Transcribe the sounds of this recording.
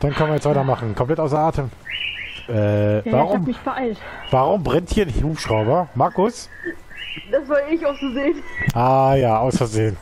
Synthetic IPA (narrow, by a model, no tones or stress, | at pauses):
d̥ankʰœnviɐjɛt͡stv̥aɪtɐmaχn̩kʰɔmpl̥ɛtʔaʊs̬ɐaːtʰəm | ʔɛːvaʁʊmmɪçb̥ʔaɪltv̥aːʁʊmbʁɛnthiːɐhuːpʃʁ̥aʊbɐmaɐkʊs | d̥asvaːɪçaʊfsuzeːnʔaːjaːʔaʊsfɛzeːən